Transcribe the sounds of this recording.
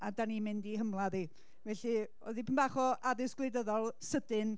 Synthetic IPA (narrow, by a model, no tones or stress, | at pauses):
adanimɪndiɦəmlˠaði | vɛɬi | o̰ðipʰɪnbaχɔaðɪsɡ̥lˠejdəðɔlˠsədɪɨn